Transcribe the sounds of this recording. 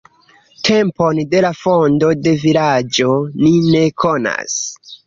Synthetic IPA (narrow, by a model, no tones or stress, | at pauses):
tʰe̞mpo̞nde̞lafondo̞de̞vilad͡ʒo̞nine̞kʰona̰s